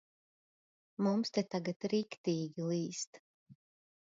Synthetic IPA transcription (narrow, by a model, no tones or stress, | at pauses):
mumst̪ɛt̪aɡat̪ɾikt̪iːɡʲilˠiːst̪